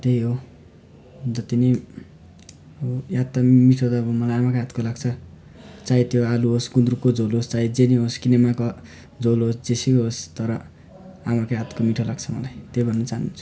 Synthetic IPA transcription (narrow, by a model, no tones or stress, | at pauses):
t̪ejɦo | d͡zʌt̪ine | jat̪ːamiʈʰod̪ʌbʌmʌlajamakaɦat̪kolaɡt͡sʰʌ | t͡sait̪joaluɦosɡund̪rukod͡zolɦost͡sajd͡zeniɦoskinemako | d͡zolosd͡zesikɦost̪ʌɾʌ | amakajɦat̪komiʈʰolaɡt͡sʰʌmʌlajt̪ejbʱʌnːʌt͡saɦnunt͡sʰu̥